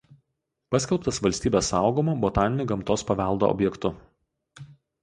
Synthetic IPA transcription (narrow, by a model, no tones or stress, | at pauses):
pɐsʲkʲɛlˠpt̪ɐsʋɐlʲsʲt̪ʲiːbʲesɑˑʊɡoːmoːbot̪ɑːnʲɪnʲʊɡɐmt̪oːspɐʋʲɛˑlˠd̪o̰ʔɔ̰bʲjɛkt̪ʊ